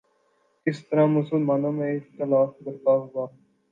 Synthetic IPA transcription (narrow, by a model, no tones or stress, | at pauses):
ɪst̪əɾãːmʊsəlmaːnõːmẽɪxt̪ɪlaːfɡəɾt̪aːɦʊɡaː